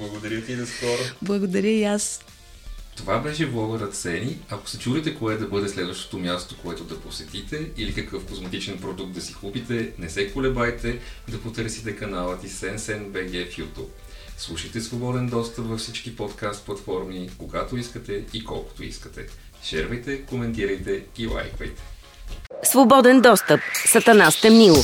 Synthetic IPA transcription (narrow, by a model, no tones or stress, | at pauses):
blˠɐɡod̪ɐɾʲjət̪inɐskɔɾoblˠɐɡod̪ɐɾʲəias | t̪ovabɛʃɛvlˠɔvəɾət̪sɛniɐko̥sɛt͡ʃuɾɛt̪ɛkoɛd̪ɐbɤd̪ɛslɛd̪vəʃt̪o̥t̪omʲjast̪okoɛt̪od̪ɐposɛt̪it̪ɛilikəkɤfkozmɐt̪it͡ʃ̪ɛnpɾod̪uk̚t̪d̪ɐsikupit̪ɛnɛsɛkolɛbajt̪ɛd̪ɐpot̪ɤɾsit̪ɛkɐnalˠət̪isɛnsɛnbɛɡɛfjut̪o̰ | slˠuʃəjt̪ɛsvobɔd̪ɛnd̪ɔst̪əpvɐfsit͡ʃkipɔt̪kast̪̚plˠɐt̪fɔɾmikoɡat̪oiskət̪ɛikɔ̰lˠko̥t̪oḭskə̥t̪ɛ | ʃɛɾvɐjt̪ɛkomɛnt̪iɾəjt̪ɛilˠa̰jkvə̰jt̪ɛ̥ | svobɔd̪ɛnd̪ɔst̪əpsɐt̪ɐnast̪ɛmilˠo